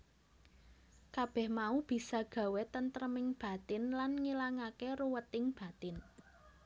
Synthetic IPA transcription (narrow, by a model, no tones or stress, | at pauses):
kab̥ɛhmaub̥i̤saɡ̥ä̤wet̪ənt̪əɾəmɪŋb̥a̤t̪ɪnlanŋilaŋakeɾuwət̪ɪŋb̥a̤t̪ɪn